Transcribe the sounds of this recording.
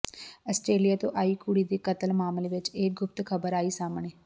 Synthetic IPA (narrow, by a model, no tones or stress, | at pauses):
əsʈɾeːlijaːt̪õːʔaːiːkuːɽiːd̪iːkət̪əlmaːmleːʋɪt͡ʃeːk̚ɡʊp̚t̪kʰəbəɾaːiːsaːmɳeː